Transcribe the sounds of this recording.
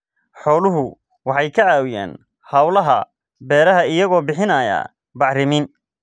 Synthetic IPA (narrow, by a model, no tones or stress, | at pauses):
ħɔːlʊɦʊ | wɑħɑjkʰɐʕaːwɪja̰ːn | hɐwlɐɦɐ | bɛːɾɐɦɐɪjɐɣɔːbɪħɪnɐːjɐ̰ː | bɑʕrɪmiːn